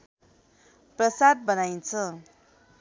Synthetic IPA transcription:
prʌsad̪̚bʌnajnt͡sʰʌ

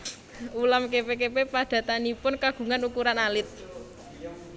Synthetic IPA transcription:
ulamkepekepepaɖ̥ä̤t̪anipʊnkaɡ̥ṳŋanukuɾanalɪt̪̚

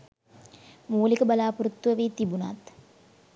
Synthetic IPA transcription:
muːlikəbalaːpuɾut̪ːʋəʋeːt̪ibuna̰t̪

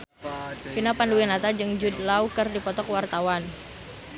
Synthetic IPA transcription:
pinapanduwinat̪ad͡ʒɨŋd͡ʒud̚laukərdipɔt̪ɔkwart̪awan

